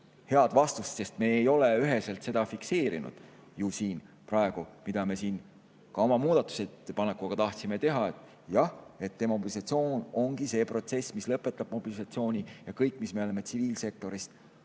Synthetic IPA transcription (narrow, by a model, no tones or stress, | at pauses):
he̞ɑd̪vɑst̪ust̪se̞st̪me̞ːejo̞leyɦeselt̪se̞d̪̥ɑfikse̞ːɾḭnṵd̪̥ | jusiːn | prɑeɡ̥umid̪̥ɑme̞siːn | kɑo̞mɑmuːd̪̥ɑt̪ːˑu̥set̪ːepɑnekːˑuɡ̥ɑt̪ɑht̪sime̞t̪e̞ɦɑet̪ːˑ | jɑhe̞t̪ːe̞mɑobilisɑt̪sio̞ːno̞ŋɡ̥ise̞ːpro̞t̪se̞smislɤpːˑe̞t̪ːˑɑb̥mo̞b̥ilisɑt̪sio̞ːnʲijɑkɤjkːˑmisme̞le̞me̞t̪siviːlse̞k̚t̪o̞ɾist̪